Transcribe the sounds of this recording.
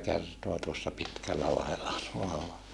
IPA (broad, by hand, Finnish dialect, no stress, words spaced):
kertoɑ tuosːɑ pitkælːælɑhelːɑ tuolːɑ